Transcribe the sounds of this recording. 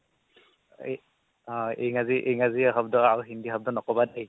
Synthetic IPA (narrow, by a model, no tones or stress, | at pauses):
aejŋaziʔejŋaziaɦab̚dɔawɦindixab̚dɔnɔkɔbadaj